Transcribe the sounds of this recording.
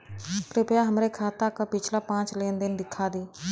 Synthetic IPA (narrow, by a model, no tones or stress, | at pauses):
pɾɪpjaɦəmɾekʰaːt̪akapɪt͡ʃlapãːt͡ʃleːnd̪ɪnd̪ɪkʰːaːd̪iː